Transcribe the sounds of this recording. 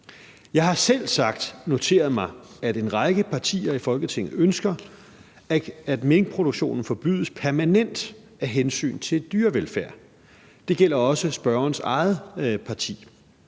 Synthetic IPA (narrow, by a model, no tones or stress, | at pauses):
jɑ̈ɪɦɑ̈sel̰sɑ̈ɡ̥̚d̥no̝t͡sʰe̝̰ːɐð̞̩ˠmɑ̈ɪæde̝nʁɑ̈ɪɡ̥əpʰɑ̈t͡sʰḭːɐifɒ̽lɡ̥ət͡sʰeŋ̰ð̩ˠønsɡ̥ɐ | æd̥me̝ŋpʰʁo̝ɾ̥oɡ̥ɕo̝̰ːnn̩fɒ̽b̥y̰ːð̞̰ˠəspʰæɐmænen̰d̥ | æɦensy̰ːnt͡sʰe̝d̥yːɐʋelfæɐ̰ | d̥e̝ɡ̥el̰ɐɒ̽səsb̥ɶɐɐːnsɑ̈ɪð̩ˠpʰɑ̈t͡sʰḭː